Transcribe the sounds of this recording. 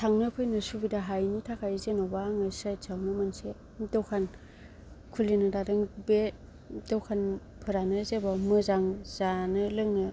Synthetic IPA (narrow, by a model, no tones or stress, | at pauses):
tʰaŋnɯpʰɯjnɯsubidaɦajnitʰakʰajzenowbaŋasat͡ʃʰawnɯmanse | dɔwkʰan | kʰulinɯdadɯŋbe | dɔwkʰan | pʰɯɾanɯzebamɯzaŋzanɯlɯŋnɯ